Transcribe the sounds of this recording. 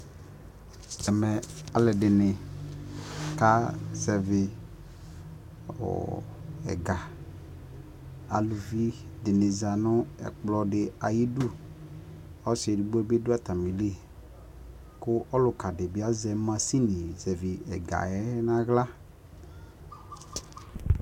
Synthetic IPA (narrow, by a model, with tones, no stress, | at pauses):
ɛ˨mɛ˨a˨lɛ˨ɖɪ˨nɪ˨ | ka˦zɛ˨vɪ˨ | wɔ̰˨ɛ̰˨ɡa˨ | a̰˨lu˨vi˦dɪ˨nɪ˨za˨nʊ˦ɛ̰˨k͡plɔ˨dɪ˨a˨ji˦du˦ | ɔ˦sɛ˨du˨ɡ͡bo˦ɛ˦be˦dʊ˦a˦˨t̪a˨mĩ˨le˦˨ | kʊ˦ʔɔ˦lʊ˨ka˨dɪ˨bɪ˦a˦zɛ˨˦mã˦si˦nĩ˨zɛ˨vi˨ɛ̰˨ɡa̰˨ɛ˦nã˦ɣla˦